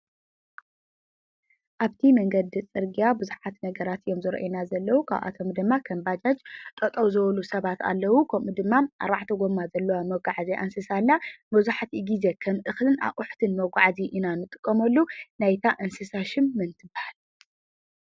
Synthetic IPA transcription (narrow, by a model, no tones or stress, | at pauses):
ʔaβt̪ʰimɐŋɡɐd̪it͡sʼɨɾɡijabuzuħat̪nɐɡɐɾat̪jomzɨɾɐ̰ʔinazɐlːɐwukʰa̰βʔa̰t̪ʰomd̪ɨmːakʰɐmbad͡ʒad͡ʒt̪ʼɐt̪ʼɐwzɨwɐlusɐβat̪ʰa̰lːɐwukʰɐmud̪ɨmːaʔa̰ɾbaʕt̪ʰɐɡomːazɐlːɐwamɐɡʷaʕziʔɐnsɨsalːamɐzuħat̪ɨɡize̞kʰɐmʔɨxlɨna̰βʔʼʊħt̪ʰɨnmɐɡʷaʕziʔinanɨt̪ʼɨ̥kʼːɐmɐlːunajt̪ʰaʔɐnsɨsaʃɪmːɨnt̪ʰɨbahal